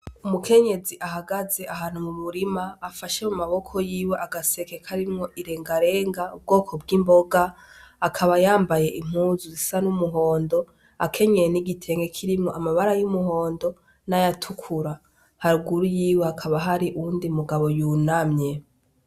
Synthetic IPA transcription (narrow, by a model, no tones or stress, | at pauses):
umukʰe̞ɲe̞ziʔaɦaɡaze̞aɦaːnumuβuɾimaːfaʃemumaβo̞kʰo̞jiːwe̞ʔaɡase̞kekʰaɾimŋo̞ʔiɾe̞ːŋɡaɾe̞ːŋɡaub̚ɡo̞ːkʰobɡimbo̞ɡaakʰaβajaːmbaje̞ʔim̥huːzuzisanumuɦo̞ːndo̞ | akʰe̞ɲejeniɡitʰe̞ːŋɡe̞kʰiɾimŋo̞ʔamaβaɾajumuɦo̞ːndo̞ | najatʰukʰuɾa | haɾuɡuɾujiːweakʰaβaɦaɾiʔuuːndiumuɡaβo̞junamɲe̞